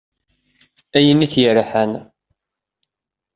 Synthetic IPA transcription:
æjəniθjəɾħən

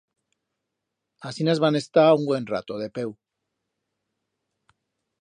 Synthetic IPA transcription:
asinazβane̞st̪auŋɡwe̞nra̰t̪oð̞e̞pe̞w

